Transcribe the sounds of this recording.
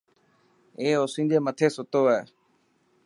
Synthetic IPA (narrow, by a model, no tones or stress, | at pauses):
eːoːsĩːd͡ʑeːmət̪ʰeːsʊt̪oːeeː